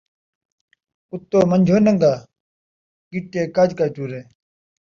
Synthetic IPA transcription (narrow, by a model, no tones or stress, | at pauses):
ut̪ːoːmɐnd͡ʒʱoːnɐŋɡaː | kiʈːeːkad͡ʑkat͡ɕuːɾeː